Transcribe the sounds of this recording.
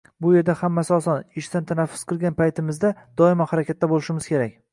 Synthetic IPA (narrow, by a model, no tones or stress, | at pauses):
bʊje̞ɾd̪ahamːasasɒnɪʃt̪ant̪ʰanafːʊsqʰɨlˠɡʲanpʰajt̪ʰɪmɪzd̪ad̪ɒɪmahaɾakʲat̪ʰːabolɪʃɪmɪz̥kʲʰe̞ɾakʲ